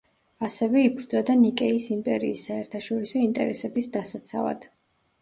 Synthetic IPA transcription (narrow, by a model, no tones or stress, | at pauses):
asɛvɛipʰɾd̪zad̪anikʼɛisimpʼɛɾiːsːaɛɾt̪ʰaʃɔɾisɔint̪ʼɛ̰ɾɛsɛbisd̪asat̪sʰa̰va̰d̪̥